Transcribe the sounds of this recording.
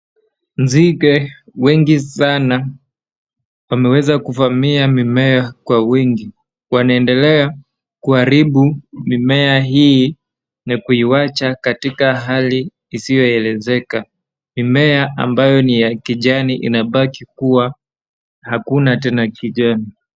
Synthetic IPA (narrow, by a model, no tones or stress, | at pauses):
nzikɛ | wɛŋɡisana | wamɛwɛzakuvamiamimɛakwawiŋɡi | wanaɛndɛlɛa | kuhaɾiɓumimɛaɦi | nakuiwat͡ʃakatikaɦaliː | sijɔɛlɛzɛka | mimɛaʔa̰mbajɔnijakiʄaniʔḭnaɓakikuwa | hakunatɛnakiʄani